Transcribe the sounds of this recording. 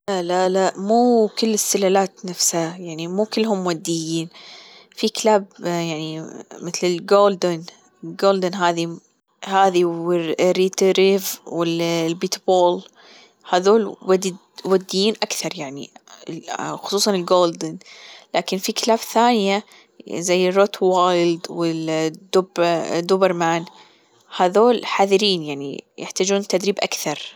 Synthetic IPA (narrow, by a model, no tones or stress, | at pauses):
lalalaʔmuːkɪlːɪst̪ːɪlalaːt̪nafshajaʕnimuːkɪlːɦʊmwad̪ːɪjːiːnfikɪlaːbjaʕnimɪθlɪlɡoːld̪ɪn | ɪlɡoːld̪ɪnɦaːði | haːðiɪriːt̪ɾivwɪllbiːt̪boːl | haːðoːlwad | wad̪ːɪjiːnʔakθɑɾˤjaʕnḭ | xʊ̥sˤuːsˤɑnɪlɡoːld̪ɪnlaːkɪnfikɪlaːfθaːnɪja | zajːɪrˤːot̪wajld̪wɪd̪ʊbd̪ubɪɾmaːn | haːðoːlħaːðɪɾiːnjaʕnḭjɪħt̪aːd͡ʒuːnt̪ːad̪ɾiːbʔakθɑɾˤ